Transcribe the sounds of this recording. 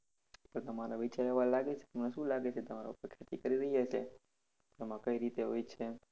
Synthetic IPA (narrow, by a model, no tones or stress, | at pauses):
pəɳt̪əmaɾaʋit͡ʃaɾeʋalaɡet͡ʃʰe̥əmneʃũlaɡet͡ʃʰet̪əmaɾa̰upəɾkʰjat̪ikəɾiɾəɦijat͡ʃʰe | emãkəiɾit̪eɦojt͡ʃʰe